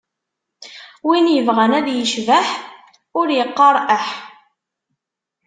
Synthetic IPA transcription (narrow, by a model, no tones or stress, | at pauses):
winjəvʁænæðjəʃvəħ | ʊɾjəqːɑɾˤʔəħ